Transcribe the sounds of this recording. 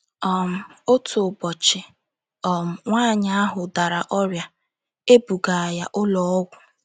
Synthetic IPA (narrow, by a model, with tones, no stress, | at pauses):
ɔ˨m̩˦˨o˦tʰʊ˨bɔ˨t͡ʃɪ˨ | ɔ˨m̩˨ŋʷaː˦˨ɲa˨˦a˦ɦʊ˨da˨ɾa˨ʔɔ˦ɾja˨ | e˦bu˨ɡa˨a˨ja˦ʔʊ˦lɔ˦ɔ˦ɡʷʊ˨